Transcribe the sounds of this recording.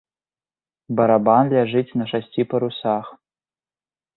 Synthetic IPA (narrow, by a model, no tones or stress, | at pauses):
bɐɾabanlʲaʐɨtʲnɐʂɐsʲtʲʰipʰɐɾusaχ